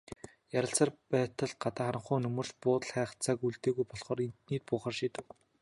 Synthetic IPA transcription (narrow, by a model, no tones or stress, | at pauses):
jaɾʲə̆ɬsə̆rpæːt̪ə̆ɮɢat̪aːχaɾə̆ɴχʊːnɵmɵ̆r̥ʃpʊːt̪ə̆ɮχæːχ̆t͡saːkuɮt̪eːɣujpɔɮχɔːɾint̪niːt̪̚pʊːχaːrʃiːt̪ɘ̆k